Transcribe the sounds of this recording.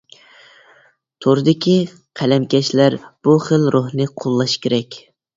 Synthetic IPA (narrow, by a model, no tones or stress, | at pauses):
t̪ʰoɾɨd̪ɪkʲi | qʰælɛmkʲɛʃlæɾb̥uχəlɾʔohnɨqʰolˠːɑʃkʲeɾɛkʲ